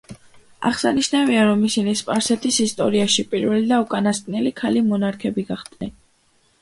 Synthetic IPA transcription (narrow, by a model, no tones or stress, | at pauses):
a̰χsaniʃnaviaɾɔmisinispʼaɾsɛt̪ʰisist̪ʼɔ̰ɾiaʃipʼiɾvɛlid̪aukʼanast̪ʼnɛlikʰalimɔnaɾkʰɛbiɡaχd̪̥nɛn